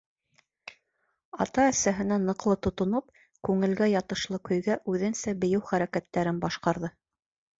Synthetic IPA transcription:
ɑt̪ɑæsæɦɘ̆nænɤ̆qlˠɤt̪ŏt̪ŏnɤp̚ | kʉŋɘ̆lɡæjɑt̪ɤ̆ʃlˠɤkɵ̆jɡæʔʉðɘ̆nsæbɘ̆jɘwχæɾækæt̪ːæɾɘnbɑʃqɑɾðɤ

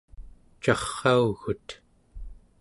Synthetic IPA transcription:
t͡ʃɑχːɑuɣut̪

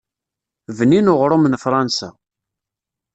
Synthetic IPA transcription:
vninʊʁɾˤomənfɾˤɑnsa̰

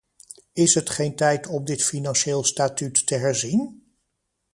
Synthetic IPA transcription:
ɪsɦətχejntɛjtɔmdɪtfinɑnʃeːlˠstaːtytːəɦɛɹzin

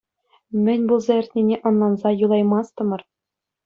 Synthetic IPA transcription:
mʲɘ̆nʲbulˠzɑɘ̆rʲt̪ʲnʲenʲeʔɤ̆nlˠɑnzɑjulˠɑjmɑst̪ɤ̆mɤ̆r

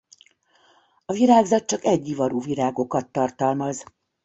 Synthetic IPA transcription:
ɒviɾaːɡzɒt̪̚t͡ʃɒkɛɟːivɒɾuviɾaːɡo̞kɒt̪ːɒrt̪ɒlmɒz

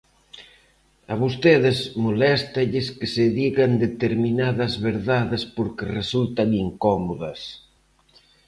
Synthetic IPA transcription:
ɐβ̞ost̪eðɪsmolɛst̪aʎɪskeseðiɣand̪et̪eɾminaðɐzβeɾðaðɪspoɾkeresult̪aŋiŋkɔmoðɐs

